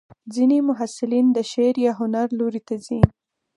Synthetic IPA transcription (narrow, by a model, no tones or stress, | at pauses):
d͡zinemʊɦasɪlind̪əʃeɾjɑɦʊnaɾloɾit̪azi